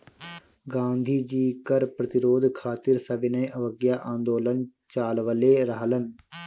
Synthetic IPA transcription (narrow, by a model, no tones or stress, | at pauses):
ɡãːnd̪ʱiːd͡ʒiːkəɾpɾət̪ɪɾoːd̪ʱkʰaːt̪ɪɾsɐbɪnəjʔɐʋəɡjaːʔãːnd̪oːlənt͡ʃaːlʋəleːɾəɦlən